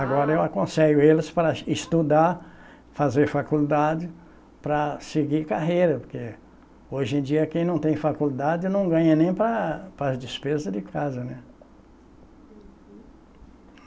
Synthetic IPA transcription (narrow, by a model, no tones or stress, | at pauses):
aɡɔɾɐewakõseʎʊelɪspɾɐɪst̪ud̪aɾ | fazeɾfakuld̪ad͡ʒɪ | pɾɐsɪɡikaɦejɾɐpoɾke | oʒẽd͡ʒiɐkẽj̃nɐ̃w̃t̪ẽj̃fakuld̪ad͡ʒɪnɐ̃w̃ɡɐ̃ɲɐnẽj̃pɾɐpɾɐd͡ʒɪspezɐd̪ɪkʰazɐnɛ